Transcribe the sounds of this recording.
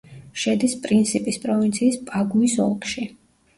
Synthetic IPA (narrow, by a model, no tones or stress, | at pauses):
ʃɛd̪ispʼɾint̪sʰipʼispʼɾɔvint̪sʰiːspʼaɡuisɔ̰lˠkʼʃi